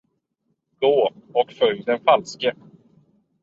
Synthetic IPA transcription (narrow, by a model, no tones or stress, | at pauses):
ɡ̥oːɔkfœjd̪ɛnfalskə